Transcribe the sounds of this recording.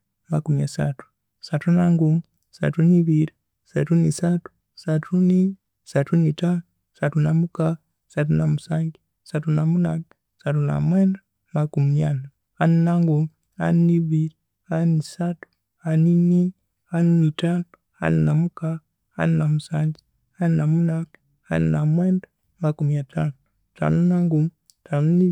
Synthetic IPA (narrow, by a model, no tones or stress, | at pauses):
makumiasa̰tu̥ | satunaŋɡumi | sa̰tuniβiɾi | satunisatu̥ | satʰuni | satunitanu | satunamuka | satunamusaːŋɡi | satunamunam | satuna̰mweːna | makumiana | aninaŋɡum | a̰nniviɾi | anisatu̥ | anini | aninitanu | a̰ninamuka | a̰ninamusaŋɡi | aninamunaɡ | aninamwɛnda | makumiatʰanu | ta̰nunaŋɡum | tʰanuni